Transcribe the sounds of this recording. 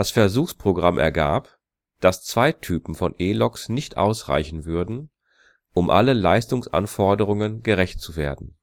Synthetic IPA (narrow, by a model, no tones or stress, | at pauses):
d̥asfɛɐzuːxspʁ̥oɡʁamʔɛ̰ɐɡa̰ːp | d̥ast͡sv̥aɪtʰyːpm̩fɔnʔeːlɔksnɪçtʔa̰ʊsʁa̰ɪçn̩vʏɐdn̩ | ʔʊmʔa̰ləla̰ɪstʊŋsʔa̰nfɔɐdəʁ̞ʊŋənɡəʁɛçt̚t͡suveːɐdn̩